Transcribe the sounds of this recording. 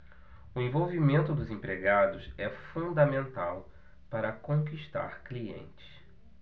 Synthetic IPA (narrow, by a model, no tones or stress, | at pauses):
ʊẽvowvimẽnt̪ʊd̪ʊzẽpɾeɡad̪ʊsɛfũd̪ɐmẽnt̪aw | paɾɐkõkiʃt̪a̰ɾkliḛ̃nt͡ʃɪ̥s